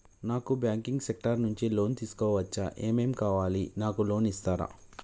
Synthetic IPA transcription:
naːkubjaːŋkiŋɡsek̚ʈɐɾnuɲt͡ʃilo̞ːnt̪iːsu̥kɔːʋɐt͡ʃːɐ̰ʔeːme̞ːmkaːʋaːlinaːkulo̞ːnist̪aːɾa̰

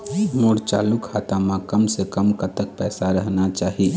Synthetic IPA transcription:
moɽt͡ʃa̰ːlukʰat̪ãmãkəmsekəmkət̪ək̚pɛːsaɾəɦnat͡ʃaːɦi

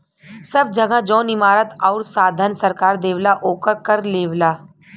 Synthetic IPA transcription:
sɐb̚d͡ʒəɡãd͡ʒɔ̃ːnɪmaːɾət̪ɔːɾsaːd̪ʱənsɐɾkaːɾd̪eːʋlaʔoːkəɾkəɾleːʋlaː

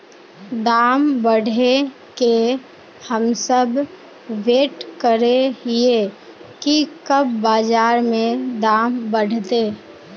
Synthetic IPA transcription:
d̪aːmbəɽ̤ʱe | ke | həmsəb | ʋeːʈkəɾeɦe | kikəbbaːd͡ʒaːɾmẽd̪aːmbəɽ̤ʱt̪eː

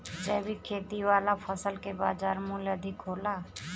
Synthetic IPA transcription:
d͡ʒɛːbʱikʰeːt̪iʋaːlapʰəsəlkebaːd͡ʒaːɾmuːləd̪ʱɪkɦoːlaː

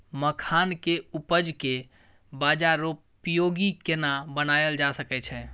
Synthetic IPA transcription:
məkʰankeupəd͡ʒke | bad͡ʒaɾoppːjoɡikenabənajəld͡ʒasəkɛt͡ʃʰɛ

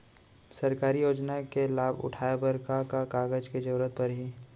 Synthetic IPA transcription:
sɐɾkaːɾijoːd͡ʒnakelaːbʊ̰ʈʰaːebəɾkakakaːɡəd͡ʒked͡ʒɐɾuːɾət̪̚pɐɾɦi

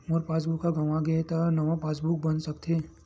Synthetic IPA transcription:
moɾpaːsbukːaɡɐʋãɡeet̪anɐʋãpaːsbuk̚bɐnsɐkt̪ʰeː

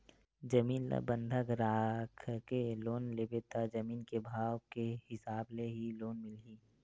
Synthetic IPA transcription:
d͡ʒəmiːnl̰bə̃nd̪ʱəɡɾaːkʰkeloːnlebet̪ad͡ʒɐmiːnkebʱaːwkehɪsaːbleɦiloːnmɪlɦiː

